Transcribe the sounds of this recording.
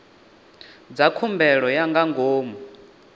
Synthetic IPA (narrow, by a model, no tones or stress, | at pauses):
d͡zakʰumbɛɺɔjaŋɡaŋɡoːmɔ